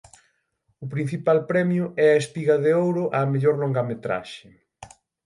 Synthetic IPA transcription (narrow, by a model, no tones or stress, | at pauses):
ʊpɾĩn̟θipalpɾɛmjʊʔɛɐespiɣɐðeowɾʊʔaːmeʎɔɾloŋɡamet̪ɾa̰ʃɪ